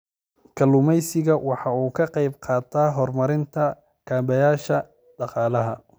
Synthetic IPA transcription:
kʰɐlʊmɛjsɪɣɐwɑħɑuːkʰɐqɑjbqɑːt̪ʰaːɦɔrmɐɾɪnt̪ʰɐ | kʰaːbɛjaːʃɐ | ɖɑqɑːlɐɦɐ

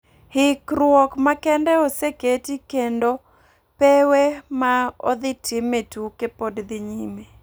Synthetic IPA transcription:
hɪkɾwɔkmakɛndɛɔseketikendo | pewemao̰d̪ɪtʰɪmetukepodd̪ɪɲime

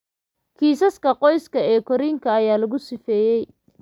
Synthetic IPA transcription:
kʰiːsɐskʰɐqɔjskʰɐɛːkʰɔɾiːŋkʰɐːjaːlɐɣʊsɪfɛːjɛj

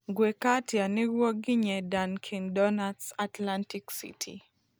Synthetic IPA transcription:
ɡwekatjaniɾwɔɡɪɲɛdankʰindɔnadsatlantiksḭtʰḭ

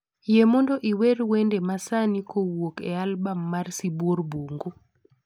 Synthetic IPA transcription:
jemɔndɔʔiweɾwendemasanikowokɛ̰albamːarsibworbuŋɡu

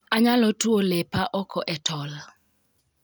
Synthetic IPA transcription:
aɲalɔtwolepaʔɔkɔʔɛtʰɔl

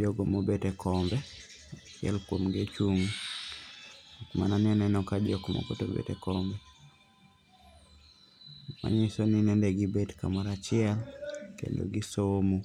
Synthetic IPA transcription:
d͡ʒɔɡɔmobetɛkʰɔmbɛ | at͡ʃɪɛ̰lkwomɡet͡ʃuŋ | kmananɛnɛnɔkad͡ʒɔkmɔ̰kotobḛtɛkɔmbɛ | ma̰ɲisoninɛndɛɡibetka̰maɾat͡ʃɪɛlkḛndo̰ɡisomo

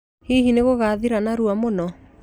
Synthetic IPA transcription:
hiɦineɣoɣaðiɾanaɾuamonɔ

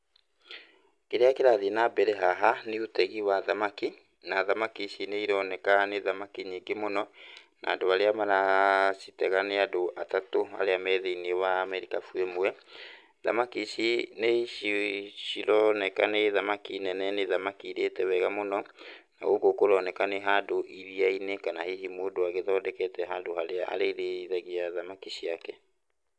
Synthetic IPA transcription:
keɾeakeɾaðinabɛɾɛɦaɦaneotɛɣiwaðamaki | naðamakiʃineiɾɔnɛkaneðamakiɲiːŋɡemonɔna̰ːdoaɾeamaɾasitɛɣaneadoʔatatoa̰ɾeamɛðeiniɛwaːmɛɾikafwemwɛ | ða̰makiʃineiʃiɕiɾɔnɛkaneðamakinɛnɛneðamakiɾetɛwɛɣamonɔna̰ɣoɡokoɾɔnɛkaneɦadoʔiɾiainekanahehimodoaɣeðɔdɛkɛtɛɦadohaɾeaʔa̰ɾeɾeiðaɣiaðamakiɕiakɛ

